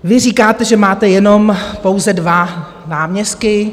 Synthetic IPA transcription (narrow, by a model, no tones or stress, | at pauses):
vɪr̝iːkaːt̪ɛʒɛmaːt̪ɛjɛno̞mpo̞wzɛdva | naːmɲɛst̪̚kɪ